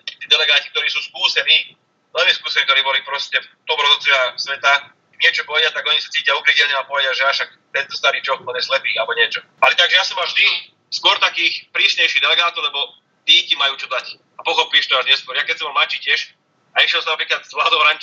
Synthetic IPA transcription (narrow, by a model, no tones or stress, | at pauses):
t̪it̪iːd̪ɛlɛɡaːci̥k̚t̪ɔɾiːsuːskuːsɛniː | vɛlmɛskuːsɛniːk̚t̪ɔɾiːbɔlipɾɔscɛft̪ɔmɾɔzɔt͡sɛasʋɛt̪a | ɲɪɛt͡ʃɔpɔʋɛɟɪat̪aɡɔɲisḁt͡siːcɪjaukɾicɛlɲɛapɔʋɛɟɪaʒɛaʃak̚ | t̪ɛnt̪ɔst̪aɾiːt͡ʃɔxbɔɲɛslɛpiːalɛbɔɲɪɛt͡ʃɔ | alɛt̪aɡʒɛjasɔmaʒd̪i | skʊɔɾt̪akiːxpɾiːsɲɛjʃiːɣd̪ɛlɛɡaːt̪ɔʊlɛbɔ | t̪iːcimajuːt͡ʃɔd̪ac | apɔxɔpiːʃt̪ɔaʒɲɛskwɔɾjakɛcsɔmɔlmlat͡ʃiːcɪɛʃ | aiʃjɛlsɔmnapɾiːklat̪zʋlaːd̪ɔʊɾaɲt͡ʃ